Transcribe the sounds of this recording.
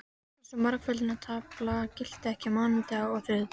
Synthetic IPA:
ɛsʏmːaɾkfʏlɪnat̪ʰaːklacɪl̥t̪ɪɛhcɪmaːnɪt̪aɔɣθʏð

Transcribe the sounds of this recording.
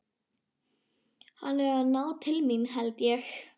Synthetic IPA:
hanɛɹanawt̪ʰɪlminɦɛlt̪jɛx

